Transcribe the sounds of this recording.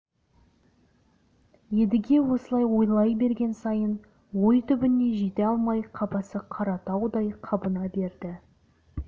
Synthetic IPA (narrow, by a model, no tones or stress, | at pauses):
je̞d̪ɪɡʲe̞wo̞səlˠɑjwo̞jlˠɑjbe̞ɾɡʲe̞nsɑjən | wo̞jt̪ʰʏbɪne̞ʒet̪eɑlˠmɑjqʰɑpɑsəqʰɑɾɑt̪ɑwd̪ɑjqʰɑbənɑbe̞ɾd̪ɪ